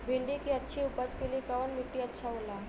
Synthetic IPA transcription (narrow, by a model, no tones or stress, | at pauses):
bʱiɳɖikiətːɕʰiupət͡skelikaʋənmiʈːiətːɕʰaɦola